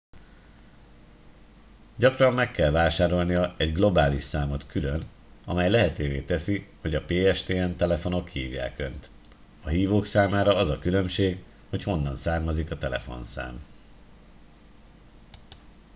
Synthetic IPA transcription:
ɟɒkrɒmːɛkːɛlvaːʃaːɾo̞lnijɒɛɟɡlo̞baːliʃsaːmot̪kʰyløn | ɒ̰mɛjlɛɦɛt̪øːveːt̪ɛsiho̞ɟɒpeːɛʃt̪eːɛnt̪ɛlɛfo̞no̞kːiːvja̰ːkø̞nt̪ | ɒɦiːvoːksaːmaːɾɒɒzɒkylø̞mʃeːɡ | ho̞cho̞nːɒnsaːrmɒzikɒt̪ɛlɛ̰fo̞̰nsa̰ːm

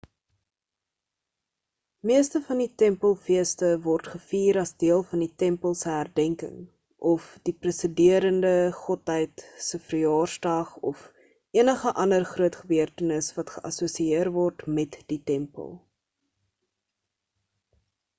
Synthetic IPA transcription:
miəstəfɐnditɛmpəlˠfiəstəvɔrtχəfiːɾɐsdiəlˠfɐnditɛmpəlˠsəɦærdɛŋkə̰ŋ | ʔɔfd̥iprəsədiəɾəndəχɔtɦəjtsəfrəjɑːrsdɐχɔf | ʔiənəχəʔɐndərχruətχəbyərtənəsvɐtχəʔɐsusiiərvɔrtmɛtd̥itɛmpə̰lˠ

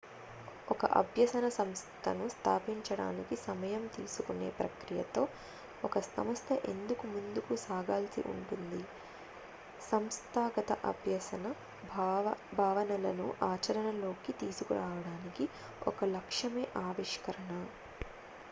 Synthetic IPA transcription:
ɔkɐ̰ʔɐ̰bʱjɐsɐnɐsɐmst̪ʰɐnust̪ʰaːpiɲt͡ʃɐɽa̰ːnikisɐmɐjɐmt̪iːsukune̞̰ːpɾɐkɾijɐ̰t̪o̞ː | ɔkɐsɐ̰mɐst̪ʰɐʔe̞nd̪ukumund̪ukusaːɡaːlsḭʔṵɳʈund̪i | sɐmst̪ʰaːɡɐt̪ɐʔɐ̰bʱjɐsɐnɐ | bʱaːʋɐnɐlɐnuʔaːt͡ʃɐɾɐnɐlo̞ːkit̪iːsukuɾaːʋɐɽaːniki | ɔ̰kɐlɐkʂɐmeːʔaːʋiʂkɐɾɐɳɐ

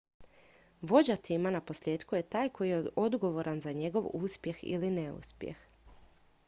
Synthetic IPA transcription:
ʋo̞d͡ʑat̪imanapo̞sʎʲje̞ːt̪kuje̞t̪aːjkʰo̞jijeʔo̞d̪ɡo̞ʋo̞ɾʔanzaɲe̞ɡo̞ʋuːspje̞xḭlineṵspjḛx

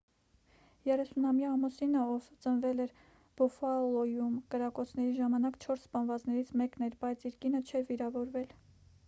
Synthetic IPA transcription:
jɛrɛsunɑmjɑːmɔsinəɔvt͡sənvɛlɛɾ | b̥ɔfɑlɔjumkəɾɑkɔt͡sʰnɛɾiʒɑmɑnɑkt͡ʃʰɔɾsːpɑnvɑt͡snɛɾit͡sʰmɛknɛɾbɑjt͡sʰiɾkinət͡ʃʰɛɾviɾɑvɔɾvɛl

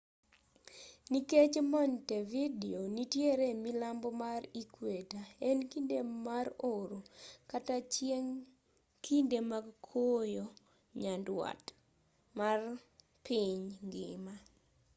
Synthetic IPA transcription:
niket͡ʃmɔntevidionitjeɾemilambɔmaɾikwetaenkindemaɾoɾokatat͡ʃjeŋ | kʰindemaɡkʰojo | ɲandwa̰t | mar | pʰɪɲŋɡɪ̰ma

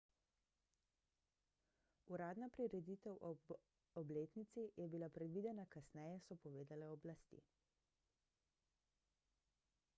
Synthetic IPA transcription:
uɾaːd̪napɾiɾɛd̪it̪ɛwʔ | ɔbleːt̪nit̪sijɛbilapɾɛd̪ʋid̪ɛnakasnɛjɛsɔpɔʋeːd̪alɛɔblast̪ḭ

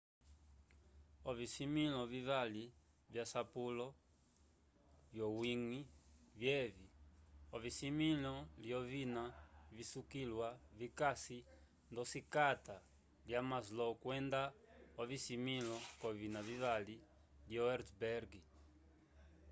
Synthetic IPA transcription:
ɔvisimilɔvivali | vjasapulɔ | vjɔwiŋivjɛviɔvisimilɔliɔvinavisukilwavikasi | nd̪ɔsikat̪a | ljamazlɔkwɛnd̪aɔvisimilɔkɔvinavivali | liɔɛɾtbɛɾɡi

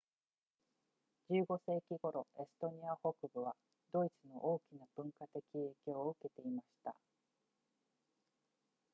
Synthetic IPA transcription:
d͡ʑɨːɡo̞se̞ːkʲiɡo̞ɾo̞ʔe̞sɨ̥t̪o̞ɲ̟iaho̞kɯ̟bɯ̟β̞a | d̪̥o̞it͡sɨno̞ʔo̞ːkʲinab̥ɯ̟̃ŋkat̪e̞kʲie̞ːkʲo̞ːɯ̟ke̞t̪e̞imaɕi̥t̪a̰

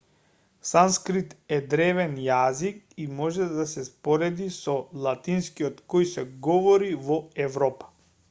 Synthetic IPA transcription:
sanskɾit̪ɛd̪ɾɛvɛnjazik̚imɔʒɛd̪asɛspɔɾɛd̪isɔlˠat̪inskiɔt̪kɔjsɛɡɔvɔɾivɔɛvɾɔpḁ

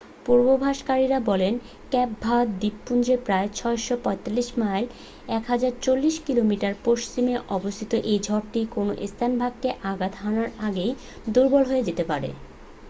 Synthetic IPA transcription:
puɾbobʱaʃkaɾiɾabɔlen | kɛp̚bʱad̪d̪ipːund͡ʑɾepɾaet͡ɕʰɔeʃopɔet̪alːiʃmajl | ɛkɦad͡ʑaɾt͡ɕolːiʃkilomiʈaɾpoʃt͡ɕimeʔɔbost̪ʰit̪oʔejd͡ʑʱɔɾʈikonoʔest̪ʰanbʱaɡkːeʔaɡat̪ɦanaɾaɡej | d̪uɾbolɦoed͡ʑet̪epaɾḛ

